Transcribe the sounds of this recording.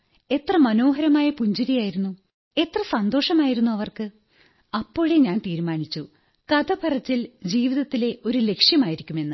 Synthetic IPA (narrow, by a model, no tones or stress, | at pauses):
e̞t̪rɐmɐno̞ːɦɐɾɐmaːjɐpuɲd͡ʑiɾijaːjiɾunːu | e̞t̪rɐsɐnd̪o̞ːʂɐmaːjiɾunːuɐʋɐrkɨ | ɐpːo̞ːɻeɲaːnt̪iːɾumaːɳit͡ɕːu | kɐd̪ɐbʱɐrɐt͡ɕːild͡ʑiːʋiðɐt̪ːile̞o̞ɾule̞kʂjɐmaːjiɾikʲːume̞nːɨ